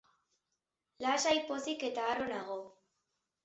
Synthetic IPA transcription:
laʃajposiket̪aːɾonaɣo

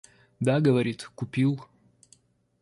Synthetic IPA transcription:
d̪aɡəvɐɾʲit̪kʊpʲilˠ

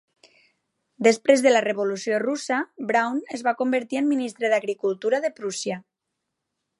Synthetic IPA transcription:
d̪espɾezðəlareβolusiorusabɾawnezβakombəɾt̪iəmːinist̪ɾeðaɣɾikulˠt̪uɾaðepɾusja

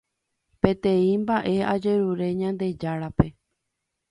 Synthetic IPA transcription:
pẽ̞t̪ẽĩmbaʔe̞ad͡ʒe̞ɾuɾe̞ɲãnd̪e̞d͡ʒaɾape̞

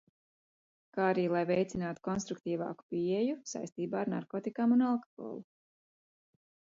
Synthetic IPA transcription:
kaːaɾiːlˠajvɛjt̪sinaːt̪u̥kɔnst̪ɾuk̚t̪iːvɑ̰ːku̥piejusa̰jst̪iːbaːaɾna̰ɾkoːt̪ikaːmunalˠkɔ̥hɔ̰ːlˠu

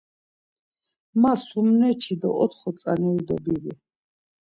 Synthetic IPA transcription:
masumnɛt͡ʃʰid̪ɔ̰ʔɔt̪ʰχɔt̪sʼanɛd̪ɔbiɾi

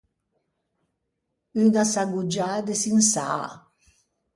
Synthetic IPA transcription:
ynasaɡud͡ʒaːd̪esinsa̰ː

